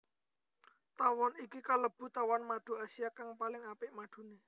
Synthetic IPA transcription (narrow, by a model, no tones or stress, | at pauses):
t̪awɔnikikaləb̥ṳt̪awanmaɖ̪̥o̤asiakaŋpalɪŋapɪʔmaɖ̪̥ṳne